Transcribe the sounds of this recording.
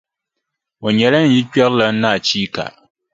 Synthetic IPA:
o˨ɲɛ˨la˦n̩˨ji˦k͡pɛ˦ɾla˨n̩˦naː˦˨t͡ʃiː˦ka̰˨ʔ

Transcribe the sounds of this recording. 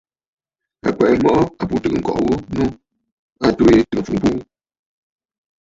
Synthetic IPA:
a̰˨kʷɛ˨ʔmɔ˦ʔɔ˦a˨pu˦tɨ˨ɨ˨ŋ̩˨kɔ̰˨ʔwu˦nu˦ | a˦˨to˦je˦tɨ˨ɨ˨fu˨m˨pu˦

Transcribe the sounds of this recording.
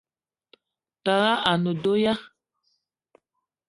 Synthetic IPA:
ta˨ɣa˦ʔa˨no˨do˦ja˦

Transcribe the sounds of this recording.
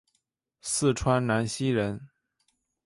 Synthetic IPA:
sɹ̩˥˩ʈ͡ʂʰwa˥nna˧˥nɕi˥ɻə˧˥n

